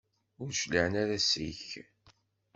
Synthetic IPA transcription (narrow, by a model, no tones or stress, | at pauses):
ʊɾʃləʕənaɾæsḭç